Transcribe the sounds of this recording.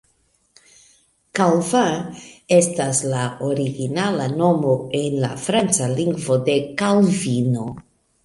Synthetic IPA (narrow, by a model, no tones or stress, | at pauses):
kalvae̞staslaoɾiɡinalano̞mo̞e̞nla̰fɾant͡saliŋɡvo̞de̞kalvino̞